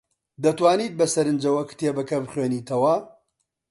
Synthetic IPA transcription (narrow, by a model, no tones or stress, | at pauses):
d̪ɐt̪waːniːt̪̚bɐsɐɾɨnd͡ʒɐwɐkt̪ʰebɐkʰɐbχɥeːniːt̪ʰɐwɐ